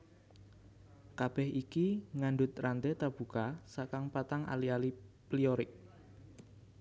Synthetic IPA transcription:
kab̥ɛhikiŋaɳɖʊt̪̚rant̪et̪ab̥ukasakaŋpat̪aŋa̰lialiplioɾɪk̚

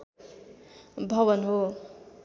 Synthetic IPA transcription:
bʱʌβʌnɦo

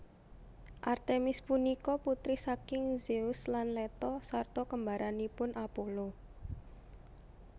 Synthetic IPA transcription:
ʔart̪emɪspunikɔput̪ɾihsakɪŋzeuslanlɛt̪ɔsart̪ɔkəmbaɾʔanipʊnʔapolo

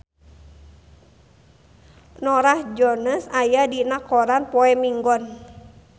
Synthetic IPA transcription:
nɔɾahd͡ʒɔnəsajadinakɔɾanpɔɛmiŋɡɔn

